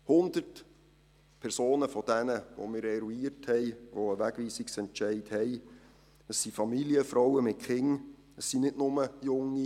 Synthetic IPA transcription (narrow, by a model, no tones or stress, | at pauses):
hʊnd̪ərt | pʰɛɾsoːnəfɔd̥ɛnəʋo̰mɪːɾɛɾuiːɾthɛɪʋoəʋæɡ̥ʋiːsiksɛntt͡ʃɛɪdhɛɪ | əsːifɑmiliəfɾɔwəmɪt̚χɪŋ | əsːinɪdnʊməjʊŋːi